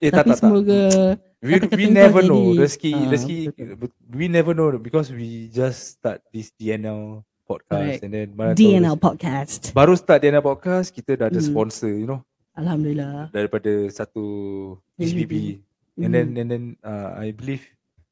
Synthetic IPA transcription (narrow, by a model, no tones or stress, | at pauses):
eat̪at̪at̪amoɡə | wiwinɛvənoɾɛskiɾɛki | winɛvənobikɔswid͡ʒasːt̪a̰t̚disdiɛnɛl | pɔd̚kʰastɛ̃ndɛ̃nmadiɛnɛlpɔd̚kʰastbaɾust̪at̚diɛnɛlpɔd̚kaskit̪ədadəspɔ̃nsəjuno | alhamduliladaɾipadəsat̪u | isbibi | ɛ̃ndɛ̃nɛ̃ndɛ̃naa̰jbiliv